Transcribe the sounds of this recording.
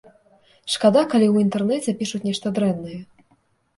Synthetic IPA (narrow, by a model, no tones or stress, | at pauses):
ʂkad̪akalʲiwint̪ɛrnɛt͡sʲɛpʲiʂut͡sʲnʲɛʂt̪ɐd̪ɾɛnːɐjɛ